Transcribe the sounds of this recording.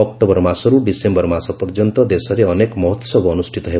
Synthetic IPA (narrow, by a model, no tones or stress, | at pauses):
ɔk̚ʈobɔɾmasɔɾuɖisembɔɾmasɔpɔɾd͡ʒɔnt̪ɔd̪esɔɾeɔnekɔmɔɦɔt̪ːɔsɔbɔːnusʈʰit̪ɔɦe